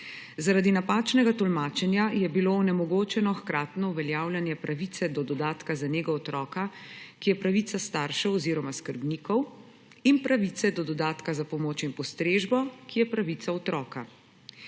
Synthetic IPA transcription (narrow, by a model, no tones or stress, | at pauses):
zaɾad̪inapaːt͡ʃnɛɡat̪ɔlmaːt͡ʃɛnjajɛbiloːnɛmɔɡoːt͡ʃɛnɔxkɾaːt̪nɔuʋɛljaːwljanjɛpɾʔaʋit̪sɛd̪ɔd̪ɔd̪aːt̪kazaneːɡaɔt̪ɾɔːkakijɛpɾaʋit̪sast̪aːɾʃɛwɔziːɾɔmaskəɾbnikɔw | inpɾaʋit̪sɛd̪ɔd̪ɔd̪aːt̪kazapɔmoːt͡ʃinpɔst̪ɾeːʒbɔkijɛpɾaʋit̪saɔt̪ɾɔːka